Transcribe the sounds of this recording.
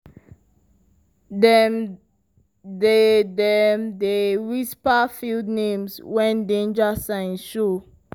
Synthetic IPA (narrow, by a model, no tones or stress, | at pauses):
dɛ | dedɛmdeɹispafildnẽmswɛ̃ndẽnd͡ʒasãɪ̃nʃo